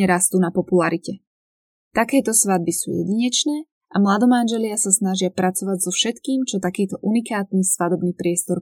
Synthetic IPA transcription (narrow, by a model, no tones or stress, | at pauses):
ɛɾast̪uːnapɔpulaɾicɛ | t̪akɛːt̪ɔsʋad̪̚bisṵːjɛ̰ɟiɲɛt͡ʃnɛː | amlad̪ɔmanʒɛlɪasasnaʒɪapɾʔat͡sɔʋaɟzɔfʃɛt̪kiːmt͡ʃɔt̪akiːt̪ɔʔunikaːt̪niːsʋad̪ɔbniːpɾɪɛst̪ɔɾ